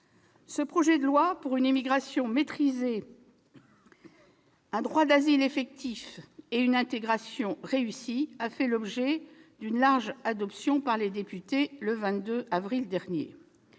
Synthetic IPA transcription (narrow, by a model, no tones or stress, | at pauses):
səpχɔʒɛd̪əlwapuʁynimiɡʁasjɔ̃met̪χize | ɛ̃d̪ʁwad̪azilefɛk̚t̪ʰifeynɛ̃t̪eɡʁasjɔ̃ʁeysiafɛlɔbʒɛd̪ynlaʁʒad̪ɔpsjɔ̃paʁled̪epyt̪eləvɛ̃t̪d̪øavʁild̪ɛʁnjḛ